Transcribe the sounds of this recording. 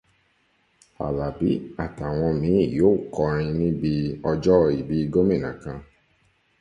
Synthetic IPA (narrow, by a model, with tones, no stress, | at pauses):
a̰˨la˨bi˨˦a˦˨ta˨w̃ɔ̃˧mĩ˨˦˨jo˨˦˨kɔ˧ɾ̃ĩ˧nĩ˦bi˧ɔ˧d͡ʒɔ˦˧i˨bi˧ɡo˦mĩ˦˨nã˨kã˧